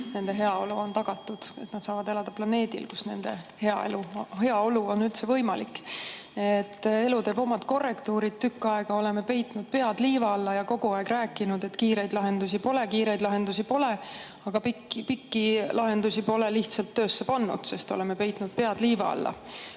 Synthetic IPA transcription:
ne̞nd̪e̞ɦe̞ɑo̞luo̞nt̪ɑɡ̥ɑt̪ːˑud̪̥e̞t̪nɑd̪̥sɑːvɑd̪̥e̞lɑd̪̥ɑplɑne̞ːd̪̥ḭlkusne̞̰nd̪̥e̞he̞ɑ̰eluhe̞ɑo̞luo̞nylt̪se̞vɤjmɑlikː | et̪ːe̞lut̪e̞ːbo̞mɑd̪̥ko̞rːe̞kt̪uːɾid̪̥̚t̪ːykːˑɑeɡ̥ɑo̞le̞me̞pe̞jt̪nud̪̥̚pe̞ɑd̪liːvɑɑlːɑjɑko̞ɡ̥uɑeɡ̥ræːkːˑinud̪et̪kiːɾe̞jd̪lɑɦe̞nd̪usipo̞le̞kiːɾe̞jd̪lɑɦe̞nd̪us̬ipo̞le | ɑɡ̥ɑpikpikːilʔɑɦe̞nd̪usipo̞le̞liçt̪sɑlt̪ːø̞ːsːe̞pɑnːṵd̪̥se̞st̪o̞̰lemepe̞jt̪ˑnud̪̥̚pe̞ɑd̪̥liːvɑ̰ɑ̰lːɑ̰

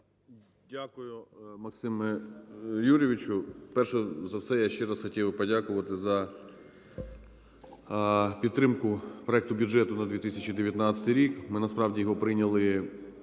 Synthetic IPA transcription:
dʲakʊjʊmɐksɪmɛ | juɾʲɪʋʲit͡ʃʊpɛrʃɛzɐwsɛjaʃt͡ʃɛɾɑsxɔtʲiwpɔdʲakʊʋɐt̪ɪzɐ | pʲidt̪ːɾɪmkʊpɾɔɛk̚t̪ʊbʲʊd͡ʒɛt̪ʊnɐd̪ʋʲit̪ɪsʲɐt͡ʃid̪eʋʲjɐt̪nɑt͡sʲɐt̪jɾʲikmɪnɐspɾɑwdʲijɔɦɔpɾɪnʲɐlˠɪ

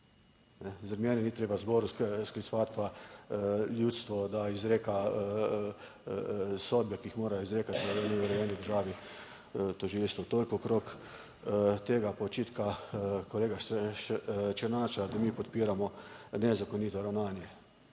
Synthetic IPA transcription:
nɛzaɾmjɛːnɛniːt̪ɾeːbazbɔːɾusskɾisʋat̪pa | ljut̪st̪ʋɔd̪aizɾeːka | soːd̪̚bɛkiixmoːɾajizɾeːkat̪oʋeniuɾɛjɛːnid̪əɾʒaːʋi | t̪ɔʒilst̪ʋɔt̪oːlikɔːkɾok | t̪eːɡapɔt͡ʃiːt̪kakoleːɡa | t͡ʃɛnaːt͡ʃad̪amiːpɔt̪piːɾamɔnɛzakoniːt̪ɔɾawnaːnjɛ

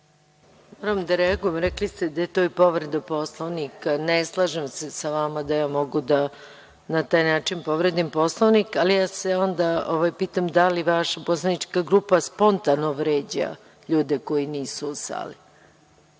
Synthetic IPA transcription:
mo̞ːɾamd̪aɾeaɡujemɾɛklist̪ed̪ajet̪oːipo̞ʋɾed̪apo̞slˠoʋnikaneslˠaʒemsesaʋamad̪ajaːmo̞ɡud̪a | nat̪aːjnaːt͡ʂinpo̞ʋɾed̪impo̞slˠoʋnikalijaːseo̞nd̪aoʋajpiːt̪amd̪aliʋaʃaposlˠanit͡ʂkaɡɾupaspo̞nt̪anoʋɾeːd͡ʑa̰ | ʎuːd̪eko̞jiniːsusa̰ːli

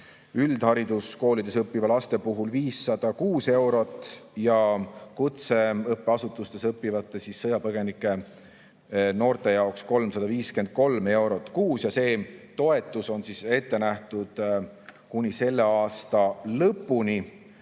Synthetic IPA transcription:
yld̪̥hɑɾid̪̥usko̞ːlid̪̥e̞sɤpːivɑlɑst̪e̞puɦulviːsːɑd̪̥ɑkuːse̞wɾo̞t̪ːˑjɑkut̪se̞ɤpːe̞ɑsut̪ːˑust̪e̞sɤpːivɑt̪ːˑe̞sisːɤjɑpɤɡ̥e̞nikːˑe̞ | no̞ːrt̪e̞jɑoksko̞lmsɑd̪ɑviːske̞nd̪̥̚ko̞lme̞wɾo̞t̪ːˑkuːsjɑse̞ːt̪o̞e̞t̪ːˑuso̞nsise̞t̪ːe̞næht̪ud̪̥kunʲise̞lːe̞ɑːst̪ɑlɤpːˑuni

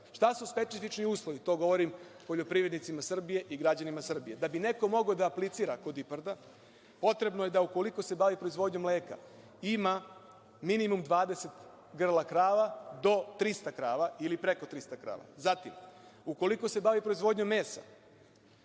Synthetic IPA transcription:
ʃt̪asuspe̞t̪sifit͡ʃniuːslˠo̞ʋit̪o̞ɡo̞ʋo̞ɾimpo̞ʎo̞pɾiːʋɾed̪nit̪simasr̩bijeʔiɡɾad͡ʑanimasr̩bije̞d̪abine̞ko̞mo̞ɡod̪aːplit̪siːɾako̞d̪ipaɾd̪a | po̞t̪ɾe̞bnoje̞d̪auko̞liko̞se̞baʋipɾo̞izʋo̞d̪ɲo̞mle̞ːka̰ | ima | minimumd̪ʋaːd̪ese̞t̪ | ɡr̩lˠakɾaːʋad̪o̞t̪ɾist̪akɾaːʋailipɾe̞ko̞t̪ɾist̪akɾa̰ːʋa̰zat̪ḭmuko̞liko̞se̞baːʋipɾo̞izʋo̞ːd̪ɲomːe̞ːsa̰

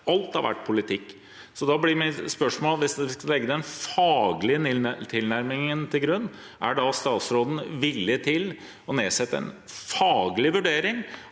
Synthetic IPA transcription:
ɑlt̪ɑ̰ʋæ̰ʈːpʰʊlɪt̪ʰɪkː | sɔd̪ɑblɪmɪspœʂmoːlʋɪsd̪ɛʋɪskɑlɛɡːəd̪ɛnfɑːɡlɪət̪ʰɪlnæɾmɪŋənt̪ʰɪlɡɾʉnː | ʔæ̰ɖɑst̪ɑːt̪sɾoːd̪n̩ʋɪlːɪt̪ʰɪl | ɔneːsɛt̪ːəɛ̰n | fɑːɡlɪʋʉɖeːɾɪŋ

